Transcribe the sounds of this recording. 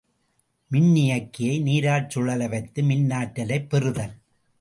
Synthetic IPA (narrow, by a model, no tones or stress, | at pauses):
mɪnnɪjɐkːɪjɐɪniːɾaːʈ̚t͡ʃɯɭɐlɐʋɐɪt̪ːɯmɪnːaːʈːɐlɐɪpːɛrɯðɐl